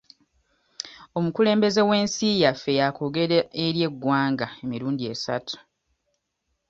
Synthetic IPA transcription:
o̞mukule̞ːmbe̞ze̞we̞ːnsijafːejako̞ɡe̞ɾeeɾje̞ɡːwaːŋɡae̞miɾuːndie̞sa̰tʰu̥

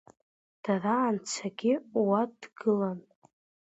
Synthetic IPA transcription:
d̥araːnt͡sʰaɡʲɪwadɡɨlan

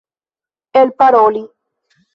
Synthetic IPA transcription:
elpaɾoli

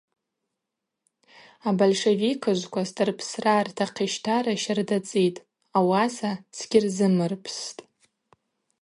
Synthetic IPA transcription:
abolʂevikʰɨʒʷkʷʰastʼɨrpʰsrartʰaqʰiʃtʰaɾaʃardat͡sʼitʼ | awasasɡʲɪrzɨmɨrpʰstʼ

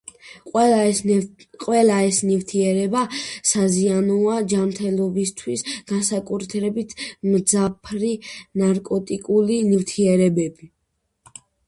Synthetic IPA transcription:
qʼwɛlaɛsnift̪ʰiɛɾɛbasazianɔad͡ʒamɾt̪ʰɛlˠɔbist̪ʰwisɡ̥ansakʼuɾt̪ʰɾɛbit̪ʰmd̪zapʰɾinaɾkʼɔt̪ʼikʼulinivt̪ʰiɛɾɛbɛbi

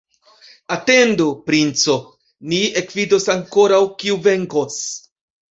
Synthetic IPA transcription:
ate̞ndupɾint͡so̞ | niekvido̞saŋko̞ɾawkiuve̞ŋko̞s

